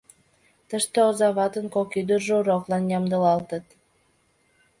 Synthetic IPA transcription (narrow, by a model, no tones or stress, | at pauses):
t̪əʃt̪eozɑβɑt̪ənkokyd̪ərʒəuɾoklɑnjɑmd̪əlɑlt̪ət̪